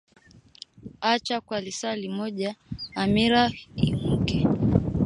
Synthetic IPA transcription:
at͡ʃakwalisalimɔʄaːmiɾaḭm̩kɛ

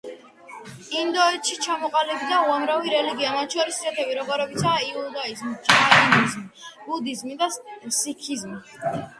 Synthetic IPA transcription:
ind̪ɔɛt̪ʃit͡ʃʰamɔqʼalibid̪auamɾaviɾɛliɡiamat̪̚ʰt͡ʃʰɔɾisisɛt̪ʰɛbiɾɔɡɔɾɛbit̪saiud̪aizmid͡ʒɛnainizmibud̪izmid̪asikʰizmi

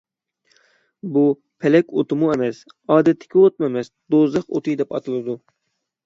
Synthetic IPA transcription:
bu | pʰɛlɛkʲot̪ʰɨmuemɛs | ɑːd̪ɛt̪ʰːɪ̥kʲiot̪̚mɛmɛsd̪ozlˠəqo̰t̪ʰɨjd̪ɛpɑ̰t̪ʰɨlˠɨd̪u

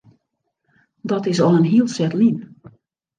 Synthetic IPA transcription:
dɔtɪsɔənɦiəlˠsɛtlin

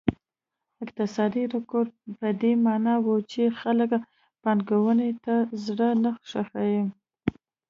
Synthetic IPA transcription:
ɪkt̪ɪsɑd̪iɾʊkoɾpəd̪emɑnɑwut͡ʃexalək | pɑnɡawənet̪azɽənaxʂaxajim

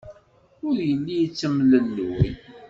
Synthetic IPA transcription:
ʊɾjəlːijət͡sːəmləlːuwḭ

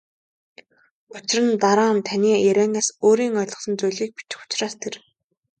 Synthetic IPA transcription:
ʊt͡ɕɪ̆rə̆nt̪aɾaːnt̪ʰaniːæɾʲæːnaːsoːɾiːŋœːɮʁɞ̆χsə̆nt͡sujɮiːk̚pi̥t͡ɕ̪ɪ̥̆xʊ̥t͡ɕraːst̪ʰer

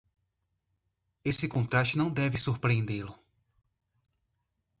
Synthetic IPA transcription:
esɪkõt̪ɾast͡ʃɪnɐ̃w̃d̪ɛvɪsuɾpɾiẽnd̪elʊ

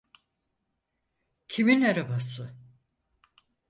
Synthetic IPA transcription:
cʰiminaɾabasɯ

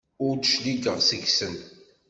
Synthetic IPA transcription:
ʊɾd̪ʃliɡəʁsəʝsənt̪

